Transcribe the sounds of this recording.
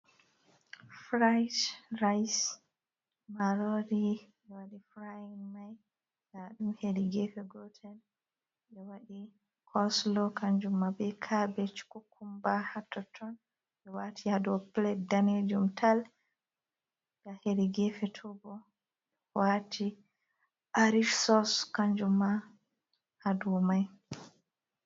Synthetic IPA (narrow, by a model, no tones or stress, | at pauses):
fɾajtɾajs | maɾɔɾiɓɛwaɗifɾajnmaj | ɡaɗumheɾiɡɛfɛɡɔtʰɛn | ɓɛwaɗi | kʰɔslɔkaɲd͡ʒumːabɛkʰabɛt͡ʃkukʰːumbahatːɔtʰɔn | ɓɛwatʰihaduɔplɛdaned͡ʒumtʰal | ɡaheɾiɡɛfɛtʰɔbɔ | ɓɛwatʰi | ʔaɾifsɔskaɲd͡ʒumːa | haduɔmaj